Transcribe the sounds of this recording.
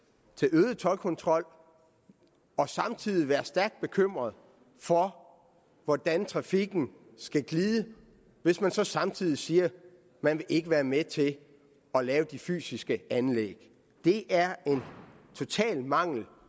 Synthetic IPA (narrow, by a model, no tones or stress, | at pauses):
t͡sʰe̝løːð̞̩ˠt͡sʰɒ̽lkʰɔ̽nt͡sʰʁɒ̽l̰ | ɒ̽sɑ̈mt͡sʰið̰ˠiʋæːɐsd̥æɐɡ̥̚d̥̚b̥e̝kʰøm̰ʁɐð̩ˠ | fɒ̽ | ʋɒd̥ænt͡sʰʁɑ̈fiɡ̥n̩ | sɡ̥æɡ̥liːðˠə | ʋe̝smænsɒ̽sɑ̈mt͡sʰið̰ˠisiːɐ | mænʋe̝ʔe̝ɡ̥əʋæːɐmet͡sʰe̝ | ɒ̽lɛːʊd̥ify̰ːsisɡ̥əænleɡ̥ | d̥e̝ʔæɐe̝n | t͡sʰo̝t͡sʰɛ̰ːlmɑ̈ŋ̰l̩